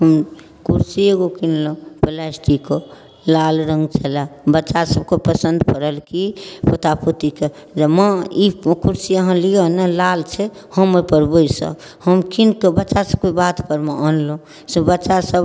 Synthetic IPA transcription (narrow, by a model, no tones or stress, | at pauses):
ɦəm | kuɾsieɡokinlõpelɛsʈiko | lalɾəŋɡt͡ʃʰəlabəːʃasəb̚kepəsənd̪pəɾəlkipot̪aput̪ike | d͡ʒəməikuɾsijəɦə̃lijonəlalt͡ʃʰe | həməpəɾboisə̰b | həmkinkebətːʃasəb̚kebat̪pəɾmeʔənlõ | sebəːʃasəb